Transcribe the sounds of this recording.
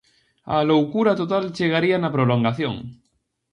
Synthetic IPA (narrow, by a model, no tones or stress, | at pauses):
a̰lowkuɾat̪ot̪alt͡ʃeɣ̞aɾianapɾoloŋɡaθjo̰ŋ